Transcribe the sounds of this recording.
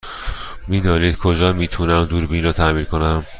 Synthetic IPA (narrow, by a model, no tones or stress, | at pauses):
miːd̪ɒːniːd̪̥kʰod͡ʒɒːmiːt̪ʰunæmd̪uːɾbinɾɒːt̪ʰæmiːnkʰo̞næm